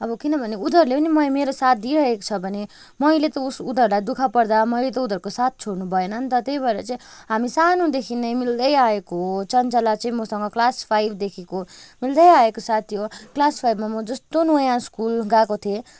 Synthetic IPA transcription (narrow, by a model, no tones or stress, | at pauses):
ʌbʌkinʌbʱʌneud̪ʱʌrlepʌnimʌjmeɾosat̪̚ʰd̪iɾʌɦeko̥t͡sʰʌbʱʌne | mʌjlet̪ʌusud̪ʱʌrlajd̪ukʰapʌɽd̪amʌjlet̪ʌud̪ʱʌrkosat̪̚ʰt͡sʰoɽnubʱʌenʌnt̪ʌt̪ejbʱʌeɾʌt͡sʌĩɦamisanod̪ekʰinːʌjmild̪ʌjaekoɦt͡sʌnt͡sʌlat͡sʌĩmʌsʌŋɡʌklaspʰajbʱd̪ekʰekomild̪ʌjaekosat̪ʰːijoklaspʰajbmamʌd͡zʌst̪onojãskulɡakot̪ʰie